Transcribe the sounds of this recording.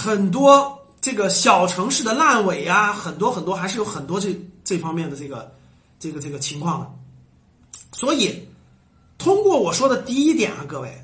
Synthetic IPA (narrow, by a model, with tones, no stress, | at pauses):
xə˨˩nt̪̬wɔ˥ | ʈ͡ʂɤ˥˩ɡə˩ɕjɑ˨˩ʊʈ͡ʂʰɤ˧˥ŋʂɻ̩˥˩d̪ə˩la˥˩nwe˨˩ɪɐ˦xə˨˩nt̪̬wɔ˥xə˨˩nt̪wɔ˥xa˧˥ɪʂɻ̩˥˩jo˧˥ʊxə˨˩nt̪wɔ˥ʈ͡ʂɤ˥˧ʈ͡ʂɤ˥˩fɑ˥ŋmjɛ˥˩nd̪ə˩ʈ͡ʂɤ˥˩ɡə̰˩ | ʈ͡ʂɤ˥˩ɡə˩ʈ͡ʂɤ˥˩ɡə˩t͡ɕʰi˧˥ŋkʰwɑ˥˩ŋɐ̰˩ | swɔ˧˥i˨˩˦ | t̪ʰʊ˥ŋkwɔ˥˩wɔ˨˩ʂwɔ˥d̪ə˨t̪i˥˩i˥t̪jɛ̰˨˩˦nɐ˦kɤ˥˧we˥˩ɪ